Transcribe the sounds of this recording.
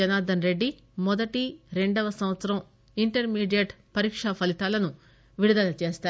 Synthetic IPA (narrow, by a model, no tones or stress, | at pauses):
ɐnaːd̪ɐnɾe̞ɖːi | mɔd̪ɐʈiɾe̞ɳɖɐʋɐsɐmʋɐt̪sɐɾɐm | iɳʈɐɾmiːɖijɐʈpɐɾiːkʂapʰɐlit̪aːlɐnu | ʋiɽid̪ɐlɐt͡ʃe̞ːst̪aːɾ